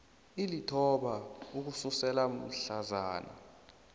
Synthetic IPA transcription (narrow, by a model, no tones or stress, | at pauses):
ilitʰɔɓauk̬ususɛlam̩ɬazaːna̰